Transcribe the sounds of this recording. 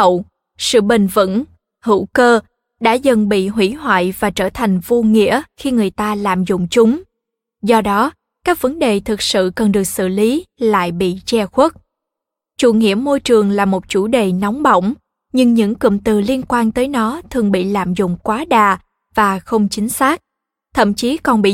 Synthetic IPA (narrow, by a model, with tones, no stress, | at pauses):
ə˧˨w | sɨ̰˧˨ɓï˨˩ŋ̟və̰˧˥n | hɨ̰˧˥wkəː˧ | ɗa̰ː˧˥zə˨˩nɓḭ˧˨ɦwḭ˧˥ɦwa̰ː˧˨jvaː˨˩t͡ɕəː˧˩t̪ʰa˨˩jŋ̟vu˧ŋḭ˧˥əxi˧ŋɨ˨˩əjt̪aː˧la̰ː˧˨mzʊ̰˧˨ŋ͡mt͡ɕʊ˨˦ŋ͡m | zɔ˧ɗɔ˨˦ | kaː˦˥k̚və˨˦nɗe˨˩t̪ʰɨ˨˩k̚sɨ̰˧˨kə˨˩nɗɨ˨˩ək̚sɨ̰˧˨li˨˦la̰ː˧˨jɓḭ˧˨t͡ɕɛ˧xwə˦˥t̚ | t͡ɕṵ˧˩ŋḭ˧˩əmo˧jt͡ɕɨ˨˩əŋlaː˨˩mo˨˩t̚t͡ɕu˧˩ɗe˨˩na˨˦wŋ͡mɓo̰˧˨wŋ͡m | ɲɨ˧ŋɲɨ̰˧˥ŋkɨ̰˧˨mt̪ɨ˨˩li˧ənkwaː˧nt̪əː˨˦jnɔ˨˦t̪ʰɨ˨˩əŋɓḭ˧˨la̰ː˧˨mzʊ̰˧˨ŋ͡mkwaː˨˦ɗaː˨˩ | vaː˨˩xə˧wŋ͡mt͡ɕï˨˦ŋ̟saː˦˥k̚ | t̪ʰə̰˧˨mt͡ɕi˨˦kɔ˨˩nɓḭ˧˨